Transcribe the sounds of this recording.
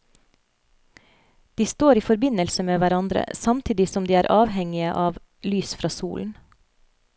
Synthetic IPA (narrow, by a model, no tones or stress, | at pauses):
d̪̥iːst̪oːɾiːfɔɾbɪnəlsəmeːʋæɾɑnd̪ɾə̰sɑmt̪ʰiːd̪ɪsɔmd̪iːæːɾʔɑːʋhɛŋɪəʔɑːʋ | lyːsfɾɑːsṵːln̩